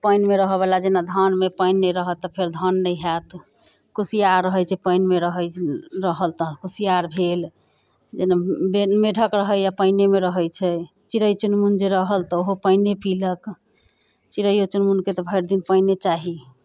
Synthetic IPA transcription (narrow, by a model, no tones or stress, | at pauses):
pəjnmeɾəɦəbelad͡ʒenad̪ʱənmepəjnːeɾəɦət̪ːɔpʰeɾd̪ʱənːəjɦɛt̪ | kusijaɾːəɦəjt͡ʃʰɛpəjnmeɾəɦəɾəɦəlt̪ɔkusijaɾbʱel | d͡ʒenabemeɖʱəkɾəɦəjapəjnemeɾəɦəjt͡ʃʰɛ | t͡ʃiɾəjt͡ʃunmund͡ʒeɾəɦəlt̪ɔoɦopəɪnepilək | t͡ʃiɾəjot͡ʃunmunket̪ɔbʱəɾd̪inpəjnet͡ʃaɦi